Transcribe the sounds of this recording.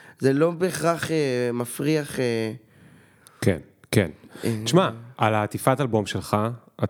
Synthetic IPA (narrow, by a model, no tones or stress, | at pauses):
zelo̞beːχʁaχemafʁiaχe | kḛn | kḛnʃmaʔalaːt̪ifatalbo̞mʃelχa | ʔa